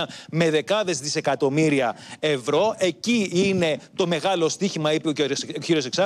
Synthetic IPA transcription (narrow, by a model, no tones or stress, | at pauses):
me̞ðe̞kɐðe̞zðise̞kɐt̪o̞miɾiɐe̞vɾo̞ʔe̞ciine̞t̪o̞me̞ɣɐlo̞st̪içimɐipeoçiɾio̞seksɐ